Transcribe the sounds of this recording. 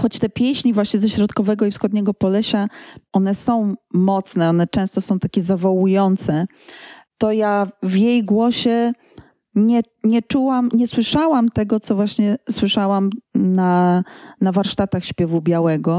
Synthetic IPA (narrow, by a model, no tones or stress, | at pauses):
xɔt͡ɕt̪ɛpʲjɛɕɲivwaɕɲɛzɛɕɾɔt̪kɔvɛɡɔifsxɔd̪̚ɲɛɡɔpɔlɛɕaɔnɛsɔ̃w̃mɔt̪snɛɔnɛt͡ʂɛ̃w̃st̪ɔsɔ̃w̃t̪akʲɛzavɔwujɔnt̪sɛ | t̪ɔjavjejɡwɔɕɛ | ɲɛ | ɲɛt͡ʂuwamɲɛswɘʂawamt̪ɛɡɔt̪sɔvwaɕɲɛswɘʂawamnanavaɾʂt̪at̪axɕpʲjɛvubʲjawɛɡɔ